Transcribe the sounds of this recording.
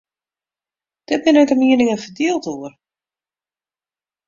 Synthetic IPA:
d̥ɛbɪnɛtəmiənɪŋəfədiəlˠtuər

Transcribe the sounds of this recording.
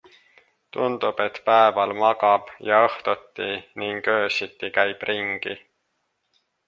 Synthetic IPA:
t̪und̪̥ub̥e̞t̪ːpæevɑlmɑɡɑb̥jɑɤht̪ot̪ːiniŋɡø̞ːsit̪ːikæjb̥riŋɡ̥i

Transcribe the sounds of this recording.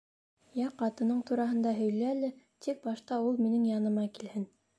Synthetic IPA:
jɑqɑt̪ɤ̆nɤɴt̪uɾɑɦɤ̆nd̪ɑɦɵ̆jlɘælɘ | t̪ʰik̚bɑʃt̪ɑulˠminɘŋjɑnɤ̆mɑkilhɘn

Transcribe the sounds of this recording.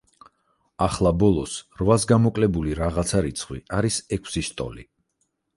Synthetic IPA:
aχlˠabɔlˠɔsɾvasɡamɔkʼlɛbuliɾaʁat̪sʰaɾit̪sʰχwiaɾisɛkʰsiʃt̪ʼɔ̰li

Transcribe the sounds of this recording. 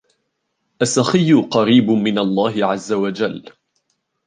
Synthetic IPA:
ʔasːaxɪjːʊqɑɾiːbmɪnalˤːɑːɦɪʕazːawad͡ʒalː

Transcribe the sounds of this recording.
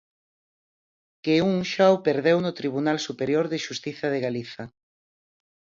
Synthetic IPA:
keuŋʃawpeɾðewnʊt̪ɾiβ̞unalsupeɾjoɾðɪʃust̪iθɐðeɣaliθɐ

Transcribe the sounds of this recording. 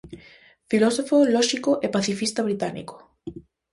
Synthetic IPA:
filɔsofolɔʃikoʔepaθifist̪aβɾit̪anḭko̥

